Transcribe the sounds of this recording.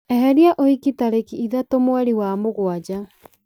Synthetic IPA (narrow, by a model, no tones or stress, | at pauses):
ɛɦɛɾiaʔoikitaɾekiiðatomwaɾiwamoɣwad͡ʑa